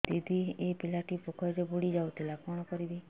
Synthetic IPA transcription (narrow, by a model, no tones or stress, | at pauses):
t̪id̪ʱiepɪlaʈipokʰɔd͡ʒebuɽid͡ʒaut̪ilakɔɽ̃ɔkɔɾid̪i